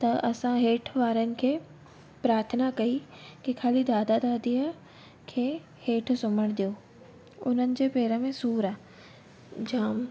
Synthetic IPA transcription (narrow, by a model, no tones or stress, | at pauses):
t̪ɐʔɐsãɦeːʈʰʋaːɾənɪ̆kʰeː | pɾaːɾt̪ʰənakɐikikʰaːlid̪aːd̪ad̪aːd̪iə | kʰeː | heːʈʰsʊməɽ̃d̪ijo | ʊ̰n̤ənɪ̆d͡ʑeːpeːɾəmẽsuːɾaː | d͡ʑaːm